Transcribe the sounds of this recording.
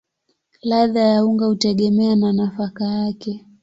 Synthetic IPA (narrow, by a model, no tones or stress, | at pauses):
laðajauŋɡahutɛɠɛmɛananafakajakɛ